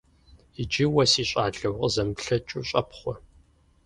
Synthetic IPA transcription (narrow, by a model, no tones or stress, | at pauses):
id͡ʒɪwɐsiːɕʷʼaːɮɐwqʼəzɐmpɬɐt͡ʃʼuːɕʼɐpʰχʷɔ